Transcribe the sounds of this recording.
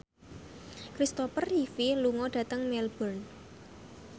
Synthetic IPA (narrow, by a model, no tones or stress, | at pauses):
kɾist̪ɔfərifiluŋɔɖ̥ä̤t̪əŋmɛlb̥ɔn